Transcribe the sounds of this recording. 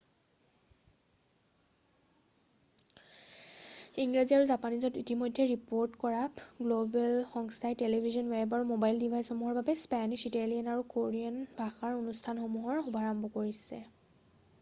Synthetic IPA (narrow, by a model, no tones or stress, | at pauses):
iŋɡɹaziaɹuzapanizɔtitimɔjdʱːɛɹipoɹtkɔɹapɡlobɛlxɔŋstʰajtelebʱizɔnwɛbaɹumobajldibʱajsxɔmuɦɔɹbabɛspaniʃitalijanaɹukoɹianbʱaxaɹonustʰanxomuɦɔɹxubʱaɹɔmbʱɔkoɹisɛ̰